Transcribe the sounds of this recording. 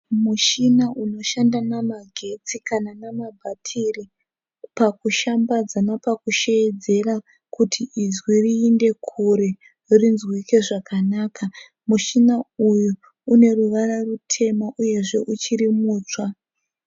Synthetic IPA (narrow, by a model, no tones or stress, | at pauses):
muʃinaʔuno̞ʃandanamaɡʱe̞t͡sikananamabʱatʰiri | pakuʃambad͡zanapakuʃejed͡ze̞ra | kutʰiʔizwiriːnde̞kʰuɾe | rinzwike̞ʐakʰanaːka | muʃinaujuː | ne̞ruʋararutʰe̞maʔuje̞ʐe̞ʔut͡ʃiɾimuːt͡swa